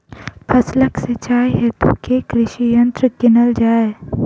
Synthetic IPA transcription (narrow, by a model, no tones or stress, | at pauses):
pʰɐsləkset͡ʃaːiɦeːt̪o̰kekɾɪʃijə̃nt̪ɾkɪnəld͡ʒaːe